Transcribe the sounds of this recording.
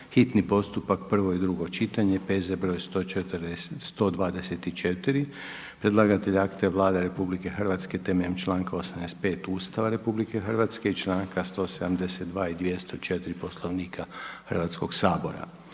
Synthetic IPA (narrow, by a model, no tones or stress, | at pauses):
xit̪nipo̞st̪upak̚pr̩ʋo̞id̪ɾuɡo̞t͡ʃit̪aɲe̞pezebɾo̞jst̪ot͡ʃet̪ɾesst̪o̞d̪ʋaːd̪eset̪it͡ʃet̪iɾi | pɾed̪laɡat̪eʎakt̪eʋlˠaːd̪eɾe̞publike̞xr̩ʋat̪ske̞t̪emeʎemt͡ʃlˠaːŋkaosamnest̪̚pe̞ːt̪uːst̪aʋaɾe̞publike̞xərʋat̪skeit͡ʃlˠaːŋkast̪o̞ːsed̪amd̪ese̞t̪d̪ʋaːid̪ʋjest̪o̞t͡ʃe̞t̪iɾipo̞slˠo̞ʋniːkʰaxərʋat̪sko̞ɡsaːbo̞̰ɾa̰